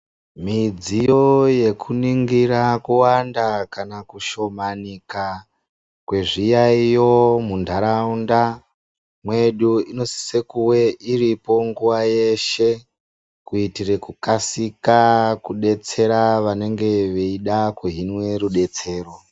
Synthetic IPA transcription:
mid͡zijo̞je̞kʰuniŋɡiɾakuwandakanakuʃo̞manika | kwe̞ʐijaijo̞mundʱaɾaunda | mwe̞ɗuino̞si̥se̞kuwe̞ʔiripo̞ŋɡuʋaje̞ʃe̞ | kuitire̞kukasikakuɗe̞t͡se̞ɾaʋane̞ŋɡe̞ʋeiɗakuɦinwe̞ɾuɗe̞t͡se̞ːro̞

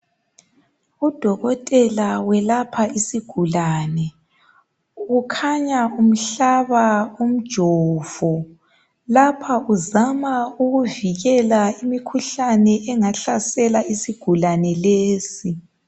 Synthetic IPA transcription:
ud̥ʱɔɣɔtʼɛlawɛlapʰaisiɡ̥ʱulaːnɛ | ukʰaɲaum̩ɬaβaum̩d̥ʒ̥ʱɔv̥ɔ | lapʰauzamauɣuviɣɛlaimikʰuɬanɛʔɛŋaɬasɛlaisiɡ̥ʱulanɛleːsi

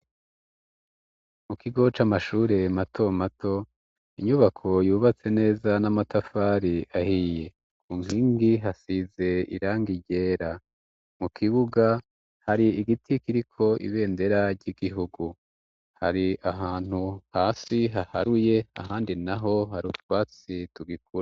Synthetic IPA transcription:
mukʰiɡo̞t͡ʃamaʃuːɾe̞matʰo̞matʰo̞ | iɲuβakʰo̞juːβat͡se̞ne̞ːzanamatafaːɾiʔahije̞ | kuːŋiːŋɡiɦasize̞ḭɾaːŋɡiɟe̞ːɾa | mukʰiβuɡa | haɾiiɡitʰikiɾikʰo̞ʔḭβe̞ːnde̞ɾaɾɟiɡiɦuɡu | ha̰ɾiaɦaːn̥huhaːsiɦaha̰ɾuje̞a̰ɦaːndinaɦo̞haɾutwaːt͡situɡik̚uɾa

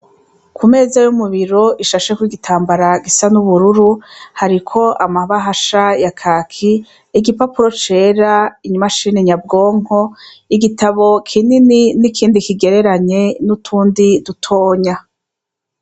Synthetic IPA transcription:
kʰume̞ːzajumuβiɾo̞ʔiʃaʃekwiɡitʰaːmbaɾaɡisanuβuɾuɾuhaɾikʰo̞ʔamaβaɦaʃajakʰaːkʰiː | ɡipapuɾo̞t͡ʃe̞ːɾaiɲmaʃiniɲab̚ɡo̞ːŋ̥o̞ | iɡitaβo̞kʰinininikʰiːndikiɡe̞ɾe̞ɾaɲe̞nutʰuːndidutʰoːɲa

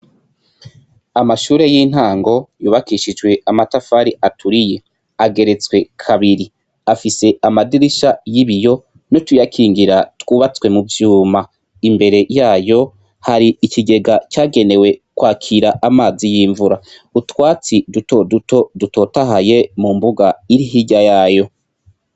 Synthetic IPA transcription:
amaʃuːɾe̞jiːn̥haːŋɡo̞juːβakiʃid͡ʒwe̞amatafaːɾiʔatʰuɾije̞ | aɡe̞ɾe̞t͡swe̞kʰaβiɾi | afise̞amadiɾiʃajiβijo̞ | notujakʰiːŋɡiɾatwuːβat͡swe̞muvjuːma | imbe̞ɾe̞jaːjo̞ | haɾiikʰiɡe̞ɡat͡ʃaːɡe̞ne̞we̞kwaːkʰiɾaʔamaːzijiːɱvuɾa | utwaːt͡sidutoduto̞duto̞taɦaje̞mumbuɡaiɾiɦiɟajaːjo̞

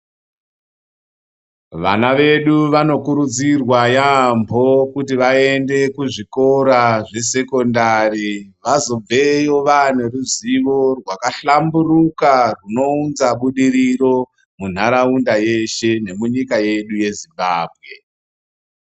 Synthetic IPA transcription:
ʋa̰naʋe̞ɗuʋano̞kuɾud͡zirwajambʱo̞kutiʋae̞nde̞kuʐiko̞ɾaʐe̞se̞ko̞ndariʋazo̞b͡ve̞jo̞ʋaneruziʋo̞rwakaɬamburukaruno̞unzaɓuɗiɾiro̞ | mun̤aɾaundaje̞ʃe̞ne̞muɲikaje̞ɗuje̞zimbaːbʱɣe̞

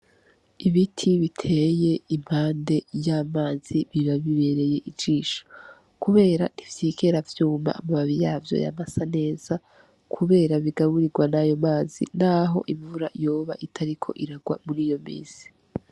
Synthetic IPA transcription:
iβitʰiβitʰe̞je̞im̥haːnde̞jaːmaːz̥iβiβaβiβe̞ɾe̞je̞ʔid͡ʒd͡ʒiːʃo̥ | kuβe̞ːɾanivjikʰe̞ɾavjuːma̰ʔːmaβaβijaːvjo̰ja̰masane̞ːz̥a | kʰuβe̞ːɾaβiɡaβuɾiɡwanajo̞maːzḭnaːɦo̞̰ʔiɱvuɾajo̞ːβa̰ʔitʰaɾikʰo̞̰ʔiɾaɡwa̰muɾiːjo̞mḭːzi̥

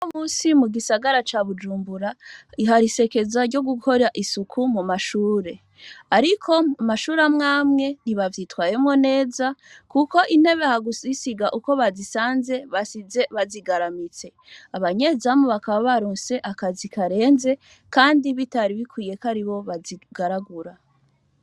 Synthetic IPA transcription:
omuːsimuɡisaɡaɾat͡ʃaβud͡ʒuːmbuɾaiɦaɾise̞ke̞zaɾɟo̞ɡukʰo̞ɾaʔisukʰumumaʃuːɾe̞ | aɾikʰo̞umaʃuːɾamŋaːmŋe̞niβavjitwaːje̞mŋo̞ne̞ːzakuko̞ʔin̥he̞βehaɡusisiɡaʔuko̞βazisaːnze̞βasize̞βaziɡaɾamit͡se̞ | aβaɲe̞zamuβakaβaβaɾuːnse̞ʔakazikaɾe̞ːnze̞ | kaːndiβitaɾiβikwiːje̞kaɾiβo̞βaziɡ̥aɾaɡuɾa

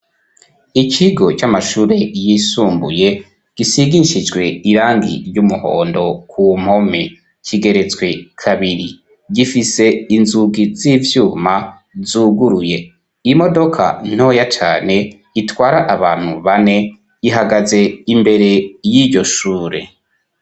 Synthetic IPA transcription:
icʰiɡo̞t͡ʃamaʃuːɾe̞jisuːmbṵje̞ | ɡ̥isiɡiʃid͡ʒɡwe̞iɾaːŋɡḭɾjumuho̞̰ːndo̞kʰum̥ho̞me | ciɡe̞ɾe̞t͡swe̞kʰaβiɾi | ɡifise̞inzuɡizivjuːma | zuːɡuɾuje̞ | imo̞do̞kʰa̰n̥o̞ːjat͡ʃaːne̞ | itwaːɾaʔaβaːn̥huβane̞ | iɦaɡaze̞imbe̞ɾe̞jiːɾɟo̞ʃuːɾe̞̰

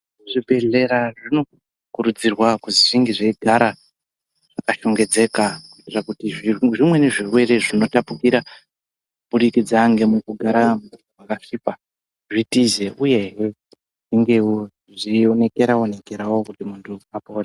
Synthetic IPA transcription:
ʐibʱe̞ɮe̞ɾaʐino̞ | kuɾud͡zirwakuziʐiŋɡeʐeiɡʱaɾa | ʐʐ̥akaʃo̞ŋɡe̞d͡ze̞kakutirakutiʐimwe̞neʐirwe̞ɾe̞ʐino̞tapukiɾa | ubuɾikid͡zaŋɡe̞mukuɡʱaɾamutuwakaʂipa | ʐitize̞uje̞ɦe | ʐiŋɡe̞ | ʐione̞ke̞ɾao̞ne̞ke̞ɾawo̞kutimuntʰuapoːra

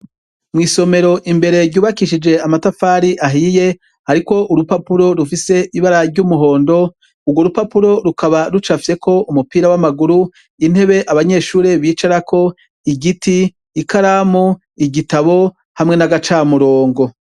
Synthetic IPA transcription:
mŋiːso̞me̞ɾo̞ʔimbe̞ɾe̞ɾɟuːβakiʃid͡ʒe̞amatafaːɾiʔaɦije̞ | haɾiko̞ʔuɾupapuɾo̞ɾufise̞ʔiβaɾaɾɟumuɦo̞ːndo̞ | uɡwo̞ɾupapuɾo̞ɾukʰaβaɾut͡ʃafje̞kʰo̞ʔumupiːɾawamaɡuɾu | in̥he̞βe̞ʔaβaɲe̞ːʃuːɾe̞βiːt͡ʃaɾakʰo̞ | iɡitiː | kaɾamu | iɟitaβo̞ | hamŋe̞naɡat͡ʃaːmuɾo̞ːŋɡo̞

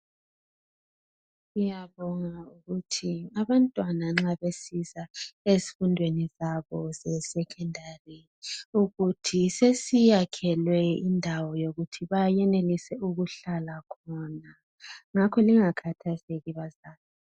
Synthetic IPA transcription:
ujaβɔŋauɣutʰiaβantʼwanaŋ͡ǁaβesizaesi̥fundʱwenizaβɔzɛsɛkʰɛndʱari | uɣutʰisesijakʰɛlwɛindʱawɔjoɣutʰiβajɛnelisɛuɣuɬalakʰɔna | ŋakʰɔliŋakʰatʰazeɣiβazaːlɔ

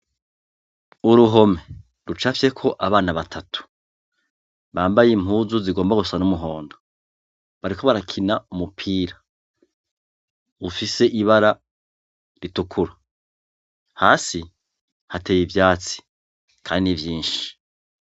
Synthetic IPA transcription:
uɾuɦo̞me | ɾut͡ʃafje̞kʰo̞ʔaβaːnaβatʰatʰu̥ | βaːmbajem̥huːzuziɡo̞ːmbaɡusanumuɦo̞ːndo | βaɾikʰo̞βaɾakʰinaumupʰiːɾa | βufise̞ʔiβaɾa | ɾitukʰuɾa | haːsi | hatejivjaːt͡si̥ | kʰaːndinivjiːnʃi̥

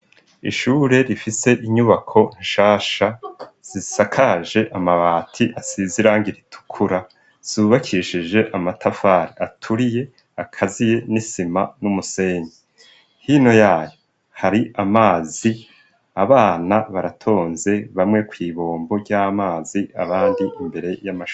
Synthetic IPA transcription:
ḭʃuːɾe̞ɾifise̞ʔiɲuβakʰo̞ʃaːʃaz̥isakʰaʒe̞ʔamaβaːtʰiʔasiziɾaːŋiɾitʰu̥kʰuɾa | z̥uːβakʰiʃid͡ʒe̞ʔamatʰafaːɾiʔatʰuɾije̞ | akʰazije̞nisimanumuse̞ːɲe | hino̞jaːjo | haɾiʔamaːzi | aβaːnaβaɾatʰo̞ːnze̞βamŋe̞kwiːβo̞ːmbo̞ɾɟamaːzia̰βaːndiʔimbe̞ɾe̞jamaʃ

